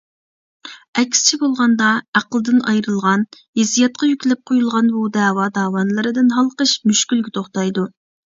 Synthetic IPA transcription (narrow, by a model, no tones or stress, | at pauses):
ɛkʲst͡ʃʰibolˠʁɑnd̪ɑæqəlˠɨd̪ɨnɑjɾɨlˠʁɑn | jezijɛt̪̚qʰɑjykʲlɛp̚qʰojulˠʁɑnbud̪ɛːwɑd̪ɑːwɑnlˠɨɾɨd̪ɨnɦɑlˠqəʃmyʃkʲylɡʲɪt̪ʰoχt̪ɑjd̪u